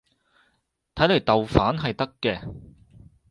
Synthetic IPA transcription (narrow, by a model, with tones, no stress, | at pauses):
t̪ʰɐ˨˥jle˨˩jt̪ɐ˨wfaː˨˥nɦɐ˨jt̪ɐ˥kːɛː˧